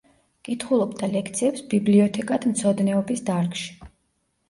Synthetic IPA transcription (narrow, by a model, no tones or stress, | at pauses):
kʼit̪ʰχulˠɔbd̪alɛkʰt̪sʰiɛpsbibliɔt̪ʰɛkʼad̪̥mt̪sʰɔd̪nɛɔbisd̪aɾkʼʃi̥